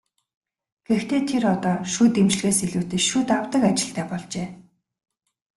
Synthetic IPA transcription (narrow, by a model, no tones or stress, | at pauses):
ɡ̥ext̪ʰeːt̪ʰerɔt̪ɔːʃuːt̪emt͡ɕ̆ɮɣeːseɮuːt̪ɘ̆t͡ɕʃuːt̪awt̪ə̆kat͡ɕɪ̆ɬt̪æːpɔɮt͡ɕeː